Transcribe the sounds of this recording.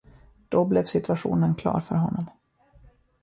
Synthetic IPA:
d̪̥ɔblɛvsɪt̪ɵaɧuːnənkʰlɑ̰ːɾfœɾɦɔnːɔm

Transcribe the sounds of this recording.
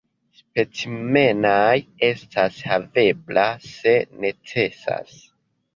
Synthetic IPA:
spe̞t͡sime̞naje̞stʰashave̞blase̞ne̞t͡se̞sa̰s

